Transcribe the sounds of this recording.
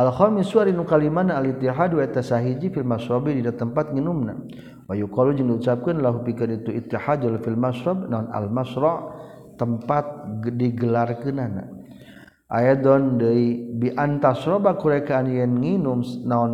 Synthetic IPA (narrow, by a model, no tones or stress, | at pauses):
ʔalxɔmisuaɾinukalimanaːlit̪ːiɦadwaɛt̪asaɦid͡ʒifilmasɾɔbididat̪əmpat̪̚ŋinumna̰ | wajukɔlod͡ʒaŋdiut͡ʃap̚kanlaɦupikanit̪uit̪ːiħad̪alfilmaʃɾɔbnaɔna̰lmasɾɔʔ | t̪ːəmpat̪̚diɡəlarkɨnana̰ | ʔa̰jɛd̪ɔndəibiʔant̪asɾɔbakuɾakaːnjɛnŋinumsnaɔn